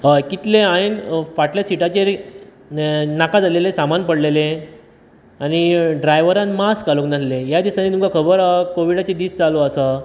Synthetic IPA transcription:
əkit̪leajnfaʈljasiʈat͡ɕe | nakad͡zalelesamanpəɽlelẽ | añiɖɾajʋəɾãnmaskaloknaslejad̪isanit̪umkakʰəbəɾakoʋiɽat͡ɕed̪iːst͡saloəsa

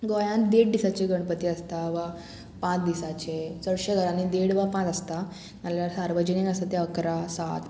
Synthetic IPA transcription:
ɡojãnd̪eɽd̪isat͡ɕeɡəɽ̃pət̪iəst̪aʋa | pãt͡sd̪isat͡ɕet͡səɽɕeɡʱəɾãnid̪eɽʋapãt͡səst̪a | maljaɾsaɾʋəd͡ʑənĩŋɡəst̪at̪eəkɾasa̰t̪

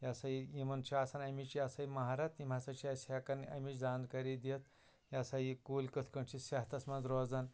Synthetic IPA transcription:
jɐsɐiimɐnt͡ʃʰiaːsɐnɐmit͡ʃiɐsɐjmɐɦaɾɐt̪im̤ɐsɐt͡ʃʰiɐsɐkɐnɐ̰mit͡ʃd͡zaːnd̪kɐɾid̪iɐt̪̚ | jɐsɐjikuːlʲkɨt̪ʰkɐɳt͡ʃʰisɐɦt̪ʰɐsmɐnzɾoːzɐn

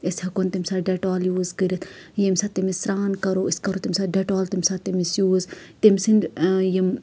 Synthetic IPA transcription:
ishɐkunt̪imʲsaɖeʈoːljuːzkəɾʲɐt̪ʰjemsaːt̪ːimisɾaːnkɐɾoːiskɐɾoːt̪imʲsaːɖeʈoːlt̪imʲsaːt̪ːimisjuːz | t̪imʲsinjim

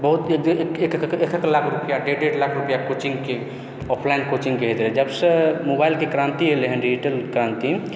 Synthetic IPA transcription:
bəɦut̪ekd̪ekekkekʰeklakʰɾupjaɖeɖeʈlakʰɾupjakot͡ʃĩŋɡke | ɔpʰlainkot͡ʃiŋɡkeɦet̪lɛd͡ʒəbsəmobailkekɾãnt̪iɦeleɦənɖid͡ʒiʈəlkɾãnt̪i

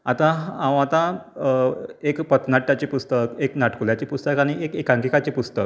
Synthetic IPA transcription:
at̪ããwat̪ã | ekpət̪ʰnaʈːjat͡ɕipust̪əkeknaʈkuljat͡ɕipust̪əkaɽ̃iʔekekãŋkikat͡ɕipust̪ək

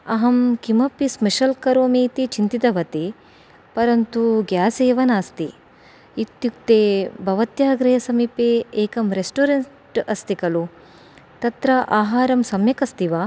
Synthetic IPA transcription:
ɐɦɐmkimɐpːismeʃɐlkɐɾoːmiːt̪it͡ʃint̪it̪ɐʋɐt̪i | pɐɾɐnt̪uɡjaːseːʋɐnaːst̪i | it̪juk̚t̪eːbʱɐʋɐt̪jaːɡɾɐjɐsɐmipeːeːkɐmɾesʈoːɾɐn | ʈɐst̪ikɐlu | t̪ɐt̪ɾɐʔaːɦaːɾɐmsɐmjɐkɐst̪iʋaː

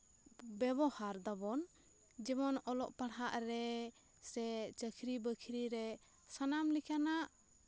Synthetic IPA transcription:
bɛbɔhaɾd̪ɔbɔn | d͡ʒɛmɔnɔlɔʔpaɽɦaʔɾɛ | sɛt͡ʃəkʰɾibəkʰɾiɾɛ | sanamlikʰanaʔ

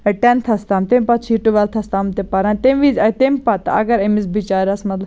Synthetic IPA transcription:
ʈɛnt̪ʰɐst̪aːmt̪empat̪t͡ʃʰiːʈuʋɐlt̪ʰɐst̪aːmt̪epɐɾãnt̪emʋizɐt̪empat̪ɐ̰ɡɐɾemisbit͡ʃaːɾasmɐt̪l

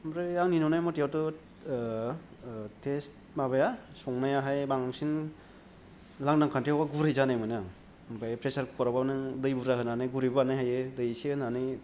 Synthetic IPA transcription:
mɾɯjaŋninɔnajmɔtijatɯ | tʰest | mabajasɔŋnajaɦajbaŋaŋsin | laŋdaŋkʰantiawaɡuɾɯjzanajmɯjna | mpʰajpɾesaɾkkʰɔɾabanɯŋdɯjbuɾahɯnanɯjɡuɾibaanajɦajɯdɯjseɯnanɯ

